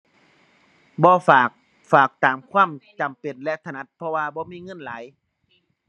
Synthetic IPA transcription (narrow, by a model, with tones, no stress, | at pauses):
bɔː˧faː˨˩k̚ | faː˨˩k̚t̪aː˨˦mkʰwaː˧˥˨mt͡ɕa˨˩mpe˨˩nlɛ˧ʔt̪ʰa˧˨na˧˥t̪̚pʰɔ˧waː˧bɔː˧˦miː˧˥˨ŋɤ˧˥˨nlaː˨˦j